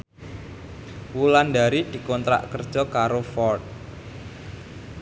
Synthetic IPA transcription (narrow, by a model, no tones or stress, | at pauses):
wulandaɾid̪̥i̤kɔnt̪ɾa̰ʔkərd̥ʒ̥ɔ̤kaɾofɔrt̪̚